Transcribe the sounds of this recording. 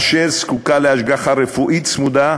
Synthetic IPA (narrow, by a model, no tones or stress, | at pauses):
ʃeɾskukaleaʃɡaχaɾefuʔit̪smud̪a